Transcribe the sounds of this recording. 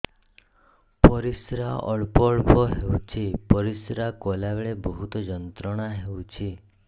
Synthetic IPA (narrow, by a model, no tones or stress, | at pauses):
pɔɾisɾaɔ̰ɭpɔɭpɔɦewt͡ʃʰipɔɾisɾakɔlabeɭebɔɦut̪ɔd͡ʒɔnt̪ɾɔɽ̃aɦewt͡ʃʰi